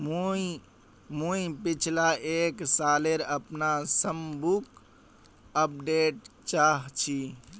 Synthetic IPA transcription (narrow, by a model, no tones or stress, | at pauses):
mu | muipit͡ʃʰlaʔeksaleɾəpnasəmbuk | əp̚ɖeʈ̚t͡ʃaɦt͡ʃʰi